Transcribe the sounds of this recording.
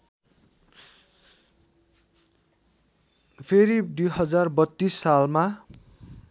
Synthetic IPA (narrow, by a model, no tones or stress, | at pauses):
pʰeɾid̪ujɦʌd͡zarbʌt̪ːisːalma